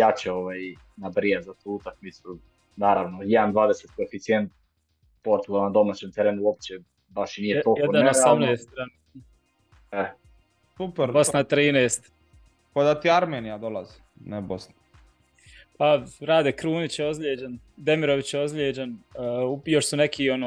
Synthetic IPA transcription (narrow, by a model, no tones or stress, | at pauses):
jat͡ɕɛoʋaj | nabɾijazat̪uːut̪akmitsu | naːɾaʋnojɛd̪and̪ʋaːd̪eset̪̚koefit̪sient̪̚ | poɾt̪ulanad̪omaːt͡ɕemt̪eɾeːnuop̚t͡ɕe | baʃinijepoɛd̪anosamneːst̪ɾan | ɛ | supɛɾbosnat̪ɾiːneːst̪ | kod̪at̪iaɾmeːnijad̪olˠazi̥ | nɛbosna | paɾaːd̪ekɾuːnit͡ɕjeozʎʲjeːd͡ʑan | d̪emiɾoʋit͡ɕjeozʎʲeːd͡ʑanːujoʃsunekʰionoː